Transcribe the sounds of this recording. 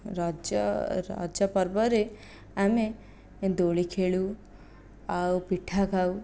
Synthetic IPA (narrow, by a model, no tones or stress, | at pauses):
ɾad͡ʒ̰ɾa̰d͡ʒjəpəɾbəɾe | ame | d̪oɭikʰeɭu | awpiʈʰːaɡʱaw